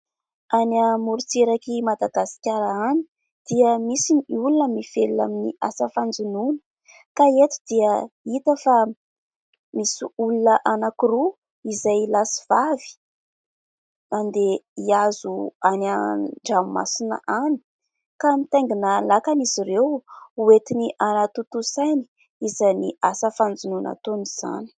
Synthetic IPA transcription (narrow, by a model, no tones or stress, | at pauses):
anamuɾut͡seɾakimad̪aɡasi̥kʲaɾaani̥ | d̪̥iəmisiniulunəmiv̥elua̰miniʔasəfand͡zununə̥ | kaet̪u̥d̪iəit̪əfa | misiulunəʔanakiɾu | izajlasi̥v̥avi̥ | nand̪eiazuanaɳɖ͡ʐamma̰sinə̰ʔani̥ | kamit̪ajŋɡinalakaniziɾewuet̪iniʔanat̪ut̪usajni̥ | izaniʔasəfand͡zununa̰t̪oniz̥a̰ni̥